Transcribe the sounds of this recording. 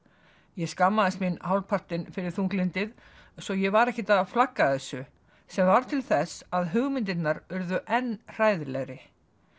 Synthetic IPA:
jɛskamːaðɪst̪minɦawlpʰar̥t̪ɪnfɪɾɪɾ̥θuŋklɪnt̪ɪð | sɔjɛɣvaɾɛhcɪt̪aðaflakːaðθɛsːʏ | sɛmvaɾ̥t̪ʰɪlθɛsaðɦʏɣmɪnt̪̬ɪt̪naɾʏɾðʏʔɛnːr̥aːjðɪlɛɣɾɪ

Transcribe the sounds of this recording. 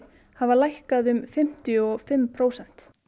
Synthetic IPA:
havalajhkaðʏmfɪm̥t̪jɔfɪmpʰɾoːwsɛn̥t̪

